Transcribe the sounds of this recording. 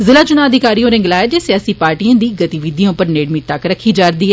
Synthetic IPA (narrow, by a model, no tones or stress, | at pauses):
zɪlaːt͡ʃʊnaːəd̪ʱɪkaːɾiːõːɾɪ̃ŋɡlaːɛːd͡ʒeːsejaːsiːpaːɾʈijãːd̪iːɡət̪iʋɪd̪ijãːʊpəɾneːɽmit̪əkɾəkʰːiːd͡ʒaːɾd̪iːɦɛː